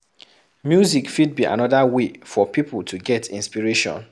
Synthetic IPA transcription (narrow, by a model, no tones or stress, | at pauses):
mjuzikfid̚biʔa̰nɔdawefɔpipltʰuɡɛtḭ̃nspiɹeʃɔ̰̃n